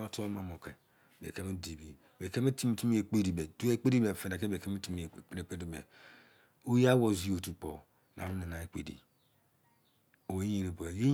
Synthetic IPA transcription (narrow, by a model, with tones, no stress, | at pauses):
o˦to˦ma˨mo˨ke˨ | bḛ˨ke˦me˦di˨bi˨be˨ke˦me˦ti˦m˨˦ti˦mi˦e˨k͡pe˦di˨be˨du˦e˦k͡pe˦di˦be˨fe˨da˨ke˦be˨ke˦me˦ti˦m˦˨˦ɾe˨k͡pe˦di˨bḛ˨ | o˦ja˦wo˨zi˦o˨tu˨k͡po̰˨ | na̰˨ɾu˦ne˨na˨e˦k͡pe˨dḭ˨ | o˨we˨˦ji˨ɾe˨bo˨e˨je˦